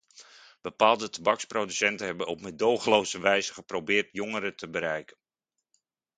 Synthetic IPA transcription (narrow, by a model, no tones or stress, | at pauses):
b̥əpaːlˠdətabɑksprodysɛntənɦɛbənɔpmɪdowχəlowsəʋɛjzəχəprowbɪːrtjoŋəɾətəbəɾɛjkən